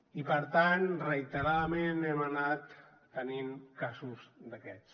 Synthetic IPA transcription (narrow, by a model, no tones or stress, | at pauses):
ipəɾt̪anrəjt̪əɾaðəmenɛmənat̪ː | ənimkazusd̪əkɛt͡s